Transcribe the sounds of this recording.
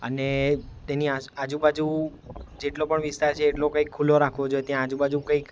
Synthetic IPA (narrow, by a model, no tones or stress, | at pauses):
ə̰net̪eniaad͡ʒubad͡ʒud͡ʒeʈlopəɳʋist̪aɾt͡ʃʰeːʈlokəikʰːuloɾakʰʋod͡ʒojet̪jãːd͡ʒubad͡ʒukə̃ik